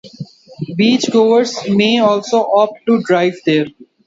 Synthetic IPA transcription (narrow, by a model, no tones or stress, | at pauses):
biːt͡ʃɡoːʋəɾsmeːɔːlsoʔɔːpʈuɖɾaːɪʋd̪eːɾ